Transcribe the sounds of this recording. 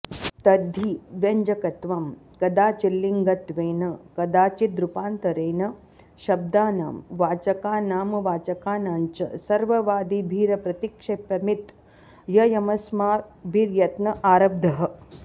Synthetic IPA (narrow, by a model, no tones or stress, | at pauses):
t̪ɐd̪ʱiʋjɐɲd͡ʒɐkɐt̪ʋamkɐd̪aːt͡ʃilːiŋɡɐt̪ʋeːnɐkɐd̪aːt͡ʃid̪ɾupaːnt̪ɐɾeːnɐ | ʃɐb̚d̪aːna̰ːmʋaːt͡ʃɐkaːnaːmɐʋaːt͡ʃɐkaːnaːɲt͡ʃɐ̰sɐɾʋɐʋaːd̪ibʱiːɾɐpɾɐt̪ikʂeːpɐmit̪ | jɐjɐmɐsmaːbʱiːɾjɐt̪nɐʔaːɾɐb̚d̪ʱɐɦɐ̆